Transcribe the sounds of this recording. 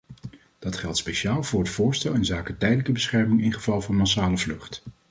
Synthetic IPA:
d̥ɑtχɛlˠtspeʃaːlˠvʊːɹətfʊːɹstɛlˠɪnzaːkətɛjdələkəbəsχɛɹmɪŋɪnχəvɑlˠvɑnmɑsaːləvlɵχt

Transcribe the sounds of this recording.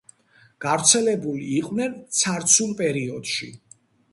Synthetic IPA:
ɡ̥avɾt̪sʰɛlɛbuliːqʼvnɛnt̪sʰaɾt̪sʰulˠpʼɛɾiɔd̪̥ʃḭ

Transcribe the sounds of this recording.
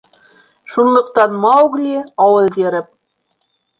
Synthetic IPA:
ʃunlˠɤ̆qt̪ɑnmɑuɡlʲiɑwɤlˠjɘɾɘp̚

